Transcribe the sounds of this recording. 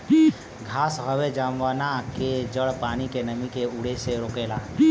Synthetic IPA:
ɡʱaːsɦəʋed͡ʒaːmʋaːnaked͡ʒəɭpaːñikenəmikeʊɽeseɾoːkeːlaː

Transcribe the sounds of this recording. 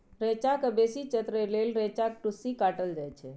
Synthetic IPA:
ɾɛt͡ʃakəbesit͡ʃət̪ɾəlelɾet͡ʃak̚ʈusikaʈəld͡ʒajt͡ʃʰɛ

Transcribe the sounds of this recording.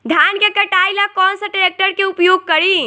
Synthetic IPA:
d̪ʱjankekəʈajlakɔnsə̃ʈɾek̚ʈəɾkeupjoɡ̚kəɾi

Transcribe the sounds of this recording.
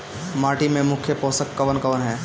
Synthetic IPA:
maːʈimẽmʊkʰjəpoːsəkːɐʋənkɐʋənɦɛː

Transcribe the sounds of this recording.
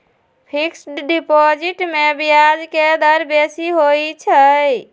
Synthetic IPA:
pʰiksɖipɔd͡ʒiʈmebijad͡ʒked̪əɾbesiɦojt͡ʃʰəj

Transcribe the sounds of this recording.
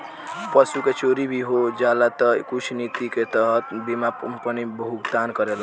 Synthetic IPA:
pəsuket͡ʃoɾibʱiɦod͡ʒalat̪əkut͡ʃʰnit̪iket̪əɦət̪bimapənibəɦukt̪ankəɾela

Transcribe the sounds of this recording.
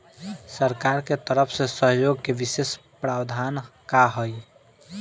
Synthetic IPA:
səɾkaɾket̪əɾəpʰsẽsəɦjoɡkeʋises | pɾabd̪ʱankaɦoj

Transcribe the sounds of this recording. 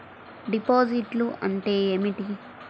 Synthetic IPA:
ɖipoːd͡ʒiʈluɐ̰ɳʈeːemiʈi

